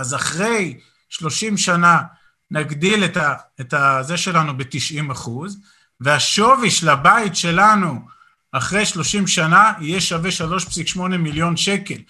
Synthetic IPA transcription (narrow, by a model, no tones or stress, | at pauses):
azaχʁe̞j | ʃlo̞ʃimʃana | naɡdiletaetazeʃe̞lanubetiʃimaχuz | veaʃo̞viʃlabaitʃe̞lanu | aχʁe̞jʃlo̞ʃimʃanaijeʃaveʃalo̞ʃpsikʃmo̞ne̞miljo̞nʃe̞ke̞l